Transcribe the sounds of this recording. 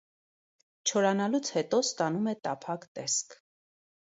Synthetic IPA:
t͡ʃʰɔɾɑnɑlut͡sʰhɛt̪ɔst̪ɑnumɛt̪ɑpʰɑkt̪ɛskʰ

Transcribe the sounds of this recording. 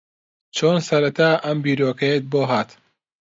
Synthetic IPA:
t͡ʃʰoːnsɐɾɐt̪ʰaːʔɐmbiːɾoːkɐjet̪̚boːɦaːt̪

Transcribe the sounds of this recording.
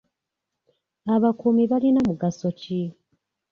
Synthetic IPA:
aβakumiβalinamuɡasoci

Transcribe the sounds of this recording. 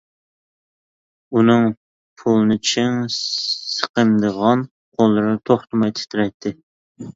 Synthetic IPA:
unɨŋ | pʰulˠɨnɪt͡ʃʰɪŋ | sə̥qəmd̪əʁɑn | qʰolˠːɨɾt̪ʰoχt̪ɨmɑjt̪ʰɪ̥t̪ʰɪɾɛjt̪ʰːɪ

